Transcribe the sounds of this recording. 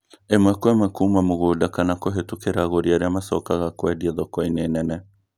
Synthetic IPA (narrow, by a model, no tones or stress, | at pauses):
emakuemakuːmamoɣodakanakoɦetukeɾaɣoɾiaɾeamasɔ̰kaɣakwɛdiaðɔkɔineːnɛnɛ